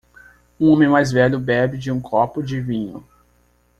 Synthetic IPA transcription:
ũõmẽj̃majzvɛʎʊbɛbɪd͡ʒɪũkʰɔpʊd͡ʒɪvĩɲʊ

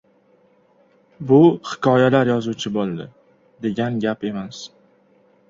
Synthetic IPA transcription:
bʊhɪ̥kʰɒjalaɾjɒzuwt͡ʃʰɪbolˠd̪ɪ | d̪e̞ɡʲanɡʲape̞mas

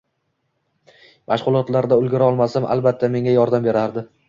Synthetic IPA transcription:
mʔaʃʁʊlˠɒt̪laɾd̪aʊlɡʲɪɾaɒlˠmasamʔa̰lˠbat̪ʰːame̞ŋajɒɾd̪ambe̞ɾaɾd̪ɪ

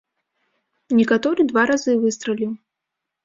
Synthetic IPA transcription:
nʲɛkat̪ɔɾɨd̪vaɾazɨvɨst̪ɾɐlʲiw

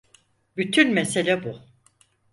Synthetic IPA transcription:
byt̪ʰynmese̞lʲɛbu

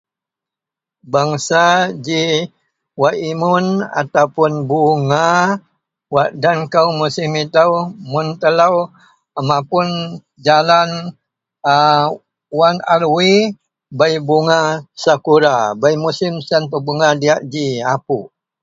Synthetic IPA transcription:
baŋsad͡ʒi | waʔimʊna̰t̪awpʊnbuŋa | waʔdankawmusɪmit̪awmunt̪əlaw | mãpʊn | d͡ʒalan | wanaɾwi | bajbuŋasakuɾabajmusɪmsanpəbuŋadiaʔd͡ʒiapu

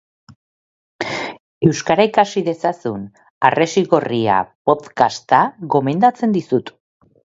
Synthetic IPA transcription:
e̞wskaɾaikasiðe̞sasun | are̞siɣo̞ria̰po̞t̪kast̪aɣo̞me̞nd̪at͡se̞nd̪isut̪

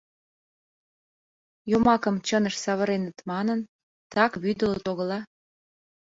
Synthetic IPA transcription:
jomɑkə̆mt͡ɕənəʃsɑβə̆ɾenət̪mɑnən | t̪ɑkβyd̪ələt̪oɣə̆lɑ

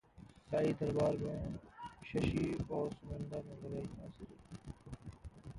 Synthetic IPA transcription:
saːiːd̪əɾbaːɾmẽːʃəʃiːɔːɾsʊmənd̪aːnẽːləɾaːinaːsɪɾeː

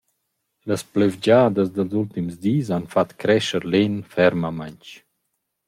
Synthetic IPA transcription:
ləsplevd͡ʒad̪əzd̪əlzult̪imzd̪iːzanfat̪kɾɛʃəɾlenfɛɾməmaɲt͡ʃ

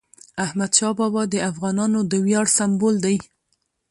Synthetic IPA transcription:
ahmad̪ʃɑbɑbɑd̪əafɣɑnɑnod̪əwjɑɽsambold̪aj

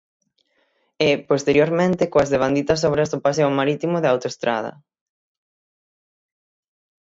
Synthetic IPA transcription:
ɪpost̪eɾjoɾmẽnt̪ɪkoazðeβ̞and̪it̪ɐs̬ɔβɾɐzðopas̬eomaɾit̪imoʊðeawt̪oest̪ɾað̞ɐ̰

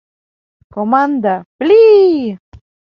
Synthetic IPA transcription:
komand̪apli

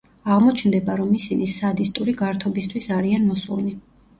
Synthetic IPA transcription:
aʁmɔt͡ʃʰnd̪ɛbaɾɔmisinisad̪ist̪ʼuɾiɡaɾt̪ʰɔbist̪ʰwisaɾianmɔsulni

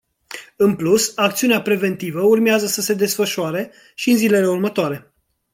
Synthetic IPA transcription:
ɨnplusakt̪siuneapɾe̞ve̞nt̪ivəurmeazəsəse̞d̪e̞sfəʃuaɾe̞ | ʃiɨnzile̞le̞urmət̪oaɾe̞

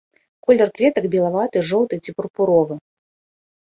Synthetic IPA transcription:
kɔlʲɛrkvʲɛt̪ɐkbʲɛlˠavat̪ɨʐɔw̪t̪ɨt͡sʲipurpuɾɔvɨ

